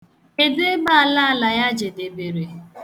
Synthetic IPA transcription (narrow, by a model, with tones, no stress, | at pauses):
e˨de˦ba˦a˨la˦a˦˨la˨ja˦d͡ʒe˨de˨be˨ɾe˨